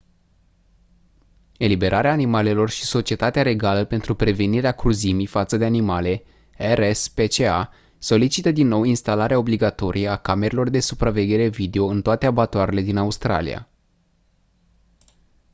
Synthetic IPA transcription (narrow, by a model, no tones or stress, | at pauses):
e̞libe̞ɾʔaɾeaːnimale̞lo̞rʃi̥so̞t͡ʃie̞t̪at̪eaɾe̞ɡaləpe̞nt̪ɾupɾe̞ve̞niɾeakɾuzimifat̪səd̪eanimale̞ | erespe̞t͡ʃea | so̞lit͡ʃit̪əd̪inːo̞winst̪alaɾeao̞bliɡat̪o̞ɾʔijəakame̞ɾelo̞rd̪e̞supɾave̞ɡʲe̞ɾe̞vid̪e̞o̞ɨnt̪oat̪e̞abat̪oaɾele̞d̪inaust̪ɾa̰lḭja̰